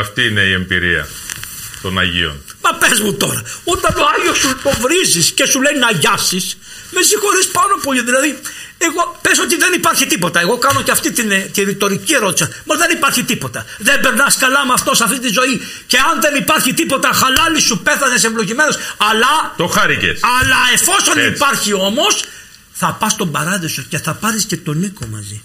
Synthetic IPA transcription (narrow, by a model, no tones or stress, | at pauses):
ɐft̪iineiembḭɾḭɐ̰ | t̪onɐ̰ʝḭo̞̰nmɐpezmut̪o̞ɾɐot̪ɐno̞ɐʝiosupovɾizisce̞sulejnɐʝɐfsis | mesixo̞ɾispɐnopo̞ʎiðilɐði | eɣo̞peso̞t̪iðe̞nipɐɾçit̪ipo̞t̪ɐe̞ɣo̞kɐno̞ceɐft̪it̪int̪iɾit̪o̞ɾicie̞ɾo̞t̪isɐmɐðe̞nipɐɾçit̪ipo̞t̪ɐðe̞mbe̞ɾnɐskɐlɐmɐft̪o̞sɐft̪int̪izo̞i | ce̞ɐnðenipɐɾçit̪ipo̞t̪ɐxɐlɐlisupe̞θɐnesevlo̞ʝime̞no̞sɐlɐt̪oxɐɾicḛsɐlɐe̞fo̞sonipɐɾçio̞mo̞s | θɐpɐst̪o̞mbɐɾɐðeso̞ce̞θɐpɐɾisce̞t̪o̞niko̞̰mɐ̰zi